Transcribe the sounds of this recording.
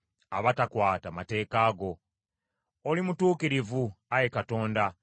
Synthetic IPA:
aβatakwaːtamate̞ːkaːɡo̞ | olimutuːkiɾivuaje̞kato̞ːnda

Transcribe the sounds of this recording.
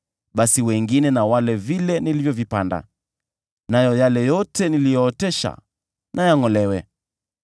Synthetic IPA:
ɓasiwɛŋɡinɛnawalɛvilɛnilivjɔvipanda̰ | najɔjalɛjɔtɛnilijɔːtɛʃa̰ | nʔajaŋɔlɛwɛ

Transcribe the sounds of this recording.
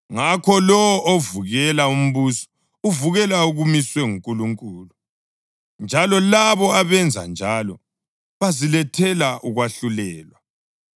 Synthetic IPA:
ŋakʰɔlɔʔovuɣɛlaum̩βusɔ̥ | uvuɣɛlauɣumiswɛŋuŋkʼuluŋkʼuːlu | nd͡ʒʱalɔlaβɔaβɛnd͡zʱa̰nd͡ʒʱalɔ | βazilɛtʰɛlaʔuɣwaɬulɛːlwa

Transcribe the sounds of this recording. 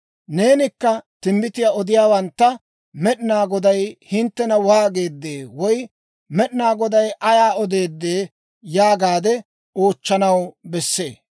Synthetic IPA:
ne̞ːnɪkːɐt̪ɪmbɪt̪ɪjaɔd̪ɪjaːwɐnt̪ːɐ | mɛɗɪnaːɡɔd̪ɐjhɪnt̪ːɛnɐwaːɡeːd̪ːeːwɔj | mɛɗɪnaːɡɔd̪ɐjʔɐjaːɔd̪e̞ːd̪ːeː | jaːɡaːd̪ɛ | oːt͡ʃːɐnɐwbɛsːe̞̰ː

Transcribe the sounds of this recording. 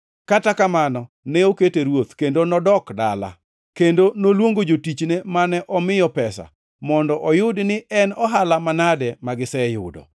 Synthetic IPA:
katakamanɔ | nɛoketeɾwot̪kendonɔdɔkda̰la̰ | kendonolwoŋɡod͡ʒotit͡ʃnemanɛʔɔmɪjɔpɛsa̰ | mɔndɔʔɔjʊdnɪʔɛnɔɦalamanadɛmaɡɪsɛjʊ̰dɔ̰

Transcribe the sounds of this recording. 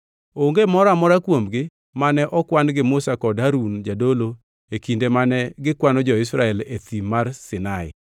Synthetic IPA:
oŋɡemɔɾamɔɾakwomɡɪ | manɛʔɔkwanɡɪmʊsakɔdɦaɾund͡ʒadolo | ekindemanɛɡɪkwanɔd͡ʒɔɪsɾaɛlet̪imːarsɪnaɪ̰

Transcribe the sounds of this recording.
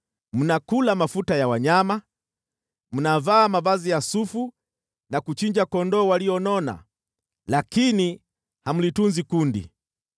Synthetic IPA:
m̩nakulamafutajawaɲama | m̩navaːmavazijasufu | nakut͡ʃiɲd͡ʒakɔndɔːwaliɔnɔna̰ | lakini | hamulitunzikundḭ

